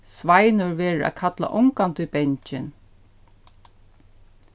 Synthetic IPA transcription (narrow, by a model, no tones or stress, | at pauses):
sʋajnʊɹʋeːɹæ̰ːkʰat̪la̰ʔʊŋkant̪ʊjbɛɲt͡ʃɪn